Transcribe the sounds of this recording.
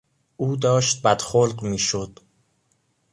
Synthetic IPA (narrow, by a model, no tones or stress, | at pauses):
ʔuːd̪ɒːʃt̪̚bæd̪̥xolqmiːʃod̪̥